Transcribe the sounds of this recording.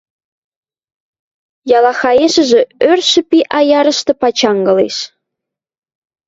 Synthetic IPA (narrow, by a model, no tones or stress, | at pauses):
jɑlɑxɑeʃɘ̆ʒĕørʃɘ̆pʲiʔɑjɑɾɤ̆ʃt̪ɤ̆pɑt͡ɕɑŋɡɤ̆lḛʃ